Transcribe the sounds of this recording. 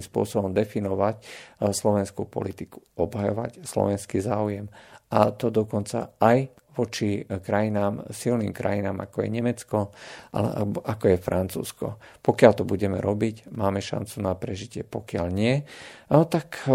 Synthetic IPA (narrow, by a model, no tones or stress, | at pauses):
mspʊɔsɔbɔmd̪ɛfinɔʋacslɔʋɛnskupɔ̰lit̪iku̥ɔbɦajɔ̰ʋa̰cslɔ̰ʋɛnskizaːujɛmʔat̪ɔd̪ɔkɔnt͡sa̰aj | ʋɔt͡ʃikɾajinaːmsilniːmkɾa̰jinaːma̰kɔjɛ̰ɲɛmɛt͡skɔʔa̰lɛ̰ʔa̰ɔʔakɔjɛfɾʔant͡sṵːskɔ̰pɔkɪalt̪ɔbuɟɛmɛ̰ɾɔbicmaːmɛʃa̰nt͡sunapɾɛʒicɪɛpɔkɪaʎɲɪɛ | t̪ak